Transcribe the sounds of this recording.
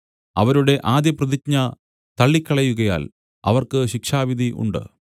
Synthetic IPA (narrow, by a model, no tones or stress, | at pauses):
ɐʋɐɾuɽe̞ʔaːd̪jɐprɐðikɲɐ | t̪ɐɭːikʲːɐɭɐjuɣɐja̰ːl | ɐ̰ʋɐrkɨɕikʂaːʋid̪ʱiʔṵɳɖɨ̰